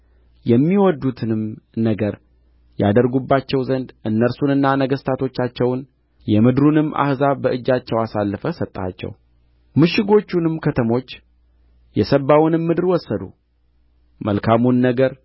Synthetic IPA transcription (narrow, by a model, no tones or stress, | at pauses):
jɛmːiwɔd̪ːut̪ʰɨnɨmnəɡəɾ | ja̰d̪əɾɡubːat͡ʃːɛwzənd̪ʔɨnːəɾsunɨnːanəɡəst̪ʰat̪ʰo̞t͡ʃːat͡ʃːɛwn | jɛmɨd̪ɾunɨmːʔa̰hzaβbəʔɨd͡ʒːat͡ʃːɛwasalːəfəsət̪ʼːa̰t͡ʃːɛ̰w | mɨʃɪɡo̞t͡ʃːunɨmkʰət̪ʰəmo̞t͡ʃː | jɛsəbːawnɨmːɨd̪ɨɾwɔsːəd̪ṵ | mə̰lkʰamunːəɡəɾ